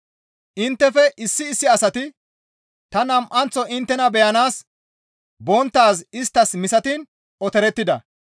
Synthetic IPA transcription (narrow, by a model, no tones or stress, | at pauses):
ʔɪnt̪ːɛfɛʔɪsːɪːsːɪɐsɐt̪ɪ | t̪ɐnɐmʔɐnt͡sɔɪnt̪ːɛnɐbɛjɐnaːs | bɔnt̪ːaːsɪst̪ːɐsmɪsɐt̪iːn | ɔt̪ɛɾɛt̪ːɪd̪ɐ